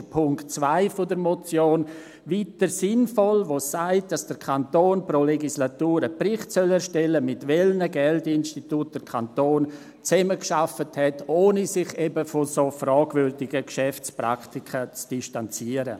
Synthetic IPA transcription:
pʰʊŋkt͡svaɪfodəɾmɔt͡sjoːn | vitəɾsɪnfɔlʋosaɪt̚d̥asd̥əɾkʰantoːnpɾoleɡislatuːɾəpɾɪχtsœlɛɾʃtɛləmɪtʋɛlnəɡɛldɪnʃtitut̚d̥əɾkʰantoːn | t͡sɛməkʃafəthɛtoːnisɪχɛbəfosofrɔːɡvʏɾdɪɡəkʃɛft͡spɾa̰ktikʰət͡sd̥iʃtant͡siəɾə̰

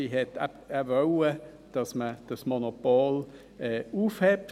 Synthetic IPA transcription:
iɦɛtʰɛ | ɛvœwə | d̥ɑsməd̥ɑsmonopoːl | ɛːuːfhɛp̚

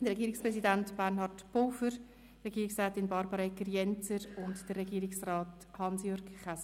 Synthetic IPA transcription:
d̥əɾɛɡiːɾɪkspɾɛsidantb̥ærnhɑrtb̥oːfəɾ | rɛɡiːɾiksɾɛːtɪnbɑɾbəɾɑɛkːəɾjɛnt͡səɾʊntd̥ərːɛɡiːɾɪksrɑːt | hɑnsjøːɾɡχas

